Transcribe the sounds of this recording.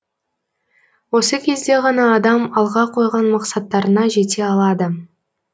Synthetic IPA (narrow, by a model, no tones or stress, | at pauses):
wo̞səkʲʰe̞zd̪e̞ʁɑnɑːd̪ɑmɑlˠʁɑqʰo̞jʁɑnmɑqsɑt̪ːɑɾənɑʒe̞t̪e̞ɑlˠɑd̪ə